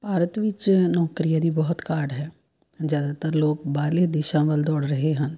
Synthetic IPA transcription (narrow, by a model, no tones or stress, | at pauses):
paːɾət̪ʋɪt͡ʃnɔːkɾijad̪ibɔɦʊt̪kaːɾɖɦɛː | zjaːd̪at̪əɾloːɡbaːled̪ɪʃãʋəld̪ɔːɽɾɐɦeɦə̃n